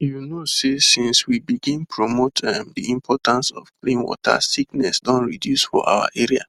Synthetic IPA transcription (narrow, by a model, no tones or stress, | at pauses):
junosesĩnswibiɡĩnpɹomotʰɛmdiĩmpʰɔtãnsɔ̰fklĩnwɔ̰tʰa̰siknɛsdɔ̃nɹidjusfɔ̰ʔa̰wa̰ʔeɹia̰